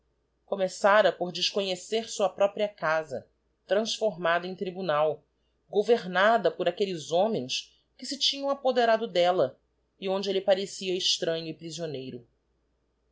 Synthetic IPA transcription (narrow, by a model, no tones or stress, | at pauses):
komesaɾɐpoɾd͡ʒɪʃkoɲeseɾsuɐpɾɔpɾiɐkazɐ̰ | t̪ɾɐ̃sfoɾmad̪ɐẽj̃t̪ɾibunaw | ɡoveɾnad̪ɐpoɾakelɪzõmẽj̃s | kɪsɪt͡ʃĩɲɐ̃w̃apod̪eɾad̪ʊd̪ɛlɐ | iõnd͡ʒɪelɪpaɾesiɐɪʃt̪ɾɐ̃ɲʊipɾizionejɾʊ